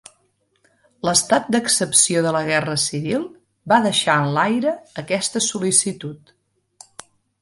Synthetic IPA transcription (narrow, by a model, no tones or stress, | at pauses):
ləst̪at̪̚d̪əksəpsioðələɣ̞ɛrəsiβilˠ | baðəʃaənlajɾəːkɛst̪əsulisit̪ut̪